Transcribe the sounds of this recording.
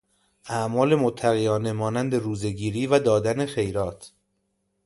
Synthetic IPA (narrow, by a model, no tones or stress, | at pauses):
ʔæʔmɒːle̞mot̪ʰːæɣijɒːne̞mɒːnænd̪e̞ɾuːze̞ɡiːɾiːvæd̪ɒːd̪æne̞xe̞jɾɒːt̪ʰ